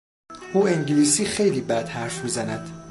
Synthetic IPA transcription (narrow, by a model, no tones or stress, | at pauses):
ʔuːeŋɟiliːsiːxe̞jliːbæd̪̥hæɾfmiːzænæd̪̥